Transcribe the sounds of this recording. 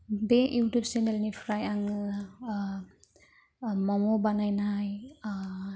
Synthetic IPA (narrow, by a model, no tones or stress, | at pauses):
beuwtupsɛnelnipʰɾajaŋ | mɔmɔbanajnaaj